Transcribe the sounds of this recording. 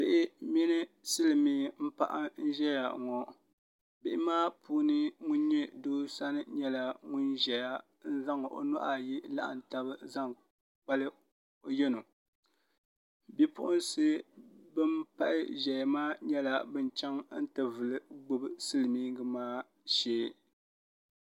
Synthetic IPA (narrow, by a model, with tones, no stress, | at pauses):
bɪ˨ʔɪ˦mɛ˦nɨ˦sɨ˦lɨ˨miː˦m̩˦pa̰˦ʔa̰˦n̩˦ʒɛ˦ja̰˨ŋɔ˨ | bɪ˨ʔɪ˦maː˦pʰuː˦nɨ˦ŋʊ˦n˦ɲɛ˦doː˦sa˦nɨ˦ɲɛ˦la˨ŋʊ˦nʒɛ˨ja˦ | n̩˦za˦ŋ˨ʔo̰˨nɔ̰˦ʔa˨ji˦la̰˦ʔa̰˨n̩˨ta˦bɨ˦za˦ŋ | k͡pa˦lɨ˦ | o˦jɛ˦no˨ | bɛ˦pʊ̰˦ʔʊ˦nsɨ˦bɨ˦mpa˦ʔɪ˦ʒɛ˨jmaː˦ɲɛ˦la˨bɨ˦nt͡ʃɛ˦ŋn̩˦tɨ˨vɨ˨lɨ˦ɡ͡bʊ˦bɨ˦sɨ˦lɨ˨miː˦ɡɨ˨maː˦ | ʃeː˦˨